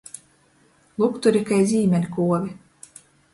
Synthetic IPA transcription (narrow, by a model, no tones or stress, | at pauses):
lˠukt̪uɾʲikajzʲiːmʲɛnʲikuɔvʲi